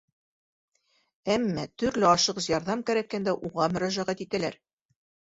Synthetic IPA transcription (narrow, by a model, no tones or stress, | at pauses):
æmːæt̪ɵ̆ɾlɘɑʃɤqjɑɾðɑmkæɾækːænd̪æʔuʁɑmɵ̆ɾæʒæʁæt̪it̪ælæɾ